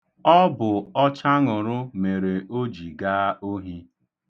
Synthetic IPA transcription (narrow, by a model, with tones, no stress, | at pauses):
ɔ˦bʊ˨ɔ˦t͡ʃa˦ŋʊ˨ɾʊ˦me˨ɾe˨o˦d͡ʒi˨ɡaː˦o˦ɦi˦